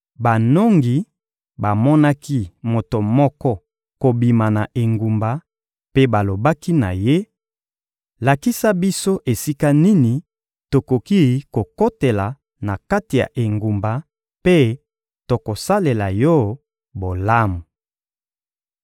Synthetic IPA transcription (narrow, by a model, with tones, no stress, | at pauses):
ba˨no˦ŋɡi˨ | ba˨mɔ˦na˦ki˦mo˨to˨mɔ˦kɔ˦ | ko˨bi˨ma˨na˨ʔe˨ŋɡu˨mba˨ | pe˦ba˨lo˨ba˦ki˦na̰˨je˦ | la˨ki˦sa˦bi˦so˦ʔe˨si˦ka˦ni˦ni˨ | to˨ko˨ki˦ko˨ko˦te˨la˨ | na˨ka˦ti˨ja̰˨ʔe˨ŋɡu˨mba˨ | pe˦ | to˨ko˨sa˦le˨la˨jɔ˦ | bo˨la˦mu˨